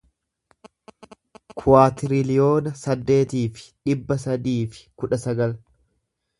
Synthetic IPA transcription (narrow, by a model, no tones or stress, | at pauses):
kʰʊwaːt̪ɪɾɪlɪjo̞ːnɐsɐd̪ːe̞ːt̪iːfɪ̥ᶑɪbːɐsɐd̪iːfɪ̥kʊᶑɐsɐɡɐl